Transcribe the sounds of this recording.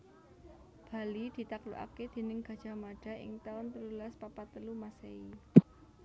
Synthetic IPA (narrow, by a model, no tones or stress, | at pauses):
b̥a̤lid̪̥i̤t̪aklṵʔa̰ked̪̥i̤nɪŋɡ̥a̤d̥ʒ̥a̤maɖ̥a̤ʔɪ̰ŋt̪aʊnt̪əlulaspapat̪əlumasei